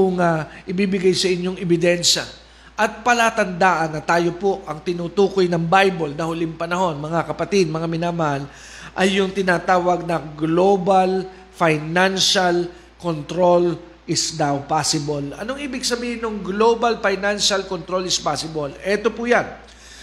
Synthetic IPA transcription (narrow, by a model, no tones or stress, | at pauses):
ʊŋaʔɪbibɪɡajsɐʔɪɲjo̞ŋɛbɪd̪ɛnʃa | ʔɐt̪̚pɐlat̪ɐnd̪aːʔɐnːɐt̪aːjo̞po̞ʔɐŋt̪ɪnuːt̪uːko̞jnɐŋbajbolnɐhʊlɪŋpɐnɐho̞nmɐŋakɐpɐt̪ɪd̪̚mɐŋamɪnaːmɐhal | ʔɐjːʊŋt̪ɪnaːt̪aːwɐɡ̚nɐɡlo̞bal | fajnanʃal | kont̪ɾo̞l | ʔɪsd̪awpasɪbolɐnoŋʔiːbɪɡsɐbiːhɪnoŋɡlo̞bɐlfajnanʃalkont̪ɾo̞lɪspasɪbolɛt̪o̞pʊjan